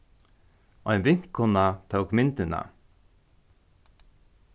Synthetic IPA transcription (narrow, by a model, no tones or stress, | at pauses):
ɔjnʋɪŋ̥kʰːʊnːat̪ʰəwkmɪnt̪ɪna̰